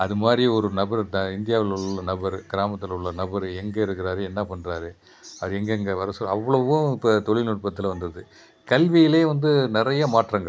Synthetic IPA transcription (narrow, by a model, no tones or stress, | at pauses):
ɐðɯmaːd̪ɾiɔɾɯnɐbɐɾɐɪnd̪ɪjaːʋɪlʊɭːɐnɐbɐɾɡɪɾaːmɐt̪ːɪlʊɭːɐnɐbɐɾɛŋɡɐɪɾɯkːɪɾaːɾɯɛnːaːpɐɳːɾaːɾɯ | ɐʋɐɾɯɛŋɡɐŋɡɐʋɐɾɐsɔɐʋːɐɭɐʋʊ̃ɪpːɐt̪ɔɭɪnʊʈ̚pɐt̪ːɪlʋɐnd̪ɯɾðɯ | kɐlʋɪjɪleːʋɐnd̪ɯnɪɾɐjɐmaːʈrɐːŋɡɐ